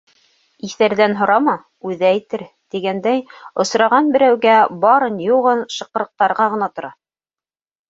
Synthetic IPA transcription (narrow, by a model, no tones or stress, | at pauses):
iθæɾðænɦŏɾɑmɑ | ʉðæːjt̪ɘɾ | t̪iɡænd̪æjŏsɾɑʁɑnbɘ̆ɾæwɡæbɑɾɤnjuʁɤnʃɤ̆qɤ̆ɾɤ̆q̚t̪ɑɾʁɑʁɤ̆nɑt̪ŏɾɑ